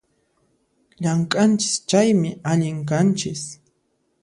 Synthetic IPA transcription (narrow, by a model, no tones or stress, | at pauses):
ʎaŋkʼant͡ʃɪ̥st͡ʃajmɪʔaʎɪŋk̬ant͡ʃɪs